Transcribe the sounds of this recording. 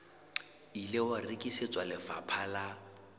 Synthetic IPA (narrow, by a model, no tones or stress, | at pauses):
ilɪwarikʼiset͡sʼwalɪfa̰pʰala